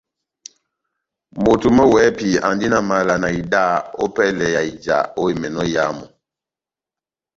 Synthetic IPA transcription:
mo˨tu˨mɔ˦wɛ˨˦pi˨a˨ndi˦na˨ma˨˦la˨na˨i˨da˦o̰˦pɛ˦lɛ˨ja˨i˨d͡ʒa̰˨o˦e˨mɛ˨nɔ˦ja˦mɔ˨

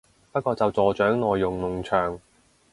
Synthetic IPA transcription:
pɐ˥t̚kɔː˧t͡sɐ˨wt͡sɔː˨t͡ʃœː˨˥ŋnɔː˨jːʊ˨ŋnʊ˨ŋt͡ʃʰœː˨˩ŋ

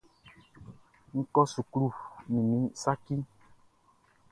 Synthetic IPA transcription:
ŋ̩˦kɔ˦su˨klu˦˨mĩ˨mĩ˨˦sa˦ki˦

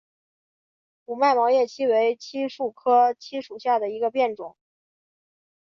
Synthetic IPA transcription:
u˨˩ma˥˩ɪmɑ˧˥ŋjɛ˥˩t͡ɕʰi˥we˧˥ɪt͡ɕʰi˥ʂu˥˩kʰɤ˥t͡ɕʰi˥ʂu˨˩ɕja˥˩d̪ə˩i˧˥ɡə˧pjɛ˥˩nʈ͡ʂʊ˨˩˦ŋ

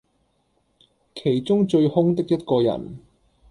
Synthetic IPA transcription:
kʰe˨˩jt͡sʊ˥ŋt͡ʃɵ˧ɥhʊ˥ŋt̪ɪ˥k̚jɐ˥t̚kɔː˧jɐ̰˨˩n

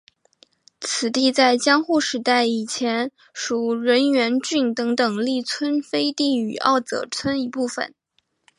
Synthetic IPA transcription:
t͡sʰɹ̩˨˩t̪i˥˧t͡sa˥˩ɪt͡ɕjɑ˥ŋxu˥˩ʂɻ̩˧˥t̪a˥˩ɪi˨˩t͡ɕʰjɛ˧˥n | ʂu˨˩ɻə˧˥nɥɛ˧˥nt͡ɕy˥˩ŋt̪ɤ˧˥ŋt̪ɤ˨˩ŋli˥˩t͡sʰwə˥nfe˥ɪt̪i˥˩y˨˩ʔɑ̰˥˩ʊt͡sɤ̰˨˩t͡sʰwə˥ni˧˥pu˥˩fə̰˨˩n

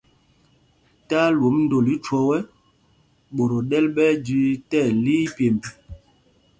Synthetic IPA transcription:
ta˦lwo˨˦mn̩˦do˨li˦t͡ʃɔ˦wɛ˦ | ɓo˨ɾo˨ɗɛ˦lɓɛ˦d͡ʒi˦tɛ˦˨li˦pje˨mpi˨

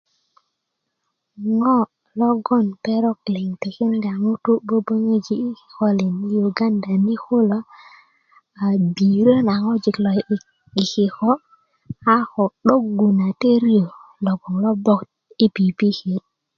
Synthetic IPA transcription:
ŋɔ˦ | lɔ˦ɡɔ˦˨npɛ˦ɾɔ˦klɪ˨ŋte˨kɪ˦nɡa˨ŋo˦to˦bo˦bo˦ŋe˦d͡ʒi˦˨xɔ˦lɪ˨ni˦ju˨ɡa˦nda˨ni˦ko˦lo˦ | a˨bi˨ɾo˦na˨ŋɔ˦d͡ʒɪ˨klɔ˨j | ɡɪ˨kɪ˨xɔ˦ | a˦xɔ˨ɗo˦kɡu˨na˨te˦ɾijo˨lɔ˨ɡɔ˨ŋlɔ˦bɔ˦k | i˦pi˨pi˦ke˨˦t̚

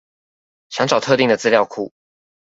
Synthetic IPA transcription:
ɕjɑ˧˥ŋʈ͡ʂɑ˨˩ʊt̪ʰɤ˥˧t̪i˥ŋd̪ə˩t͡sɹ̩˥ljɑ˥˧ʊkʰu˥˨˩

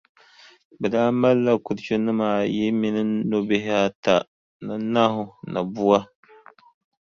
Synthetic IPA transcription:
bɛ˨daː˦ma˦lːa˦ku˨ɾt͡ʃo˦nɨ˦maː˨jɛ˦mi˨nɨ˦no˦be˦hɪ˦a˦ta˨ | nɨ˨na˦ɦʊ˨na˨bu˦a˦

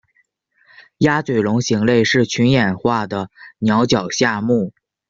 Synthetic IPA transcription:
ja˥t͡swe˨˩ɪlʊ˧˥ŋɕi˧˥ŋle˥˧ɪʂɻ̩˥˩t͡ɕʰy˧˥njɛ˨˩nxwa˥˩d̪ə˩njɑ˧˥ʊt͡ɕjɑ˨˩ʊɕja˥˧mu˥˩

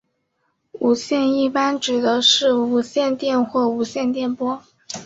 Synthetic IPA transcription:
u˨˩ɕjɛ˥˧ni˥˩pa˥nʈ͡ʂɻ̩˨˩d̪ə˧˦ʂɻ̩˥˩u˧˥ɕjɛ˥˧nt̪jɛ˥˧nxwɔ˥˩u˧˥ɕjɛ˥˧nt̪jɛ˥˩npwɔ˥

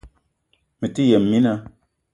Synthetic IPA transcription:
mə˨ti˦jɛ˨mːi˦na˦

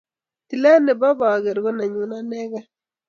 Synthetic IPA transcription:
ti˨la˦ne˨bɔ˦ba˨a˨ɡe˨ɾɡo˦na˨ɲu˨na˦nɛ˦ɡa˦

